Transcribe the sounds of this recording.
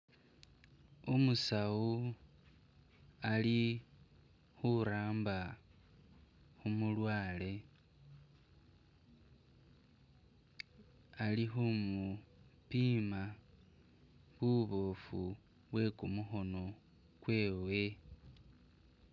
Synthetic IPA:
umusawu | ali | xuɾaːmba | xumulwaːle̞ | alixumupiːma | βuβo̞fu | βwe̞kumuxo̞no̞ | kwe̞ːwe̞

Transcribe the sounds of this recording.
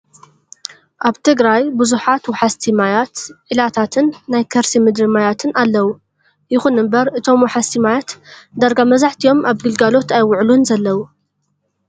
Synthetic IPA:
ʔaβt̪ʰɨɡɾajbɨzuħat̪wɔħast̪ʰimajat̪ʕilat̪ʰat̪ʰɨnːajkʰɐɾsimɨd̪ɾɨmajat̪ʰɨnalːɐwu | jɪxunɨmbɐɾɨt̪ʰo̞mwɔħast̪ʰimajat̪d̪aɾɡamɐzaħt̪ʰijo̞maβɡɨlɡalo̞t̪ajwʊʕlunzɐlːɐwu

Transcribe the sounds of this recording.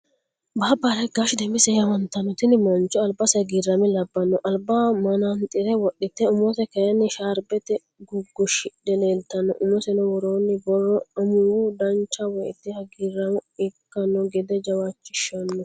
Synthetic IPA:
baːbːaːɾɐjɡaːʃɪd̪ɛmbɪsɛjɐwɐnt̪ɐnːɔt̪ɪnɪmɐnt͡ʃːɔɐlbɐsɐɡɪrːɐmɪlɐbːɐnːɔʔɐlbaːmɐnɐnt̪ʼɪɾɛwɔɗːɪt̪ːɛʊmɔt̪ɛkɐjɐnːɪʃaːɾbɛt̪ɛ | ɡʊɡːɔʃɪɗɛleːlt̪ɐnːɔ̰ʔʊmːɔsɛnɔwɔɾoːnːɪbɔrːɔɐmʊwud̪ɐnt͡ʃːɐwɔjt̪ːɪhɐɡirːɐmɪkːɐnːɔɡɛd̪ɛd͡ʒɐwaːt͡ʃːɪʃɐnːɔ

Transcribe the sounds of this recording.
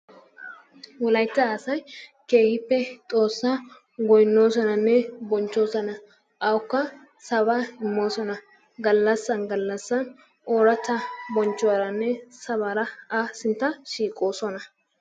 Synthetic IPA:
wɔlɐjɪt̪ːɐaːsɐjke̞ːhɪpːɛt̪ʼo̞ːsːaː | ɡɔjɪnːo̞ːs̬ɔnɐnːɛbɔnt͡ʃːo̞ːsɐnɐ | ʔɐwʊkːɐ | sɐβaɪmːo̞ːsɔnɐ | ɡɐlːɐsːɐnɡɐlːɐsːɐn | oːɾɐt̪ːɐbɔnt͡ʃːʊwaɾɐnːɛsɐβaɾɐaːsɪnt̪ːɐʃiːkʼo̞ːsɔnɐ

